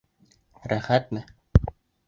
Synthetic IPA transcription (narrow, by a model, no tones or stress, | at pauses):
ɾæχæt̪mɘ